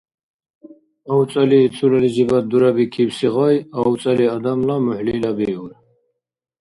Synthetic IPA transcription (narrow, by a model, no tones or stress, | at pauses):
awt͡sʼaliːt͡s̪ʰulalid͡ʒibad̪uɾabikʰiwsiʁajawt͡sʼaliad̪amlamuħliːlabiun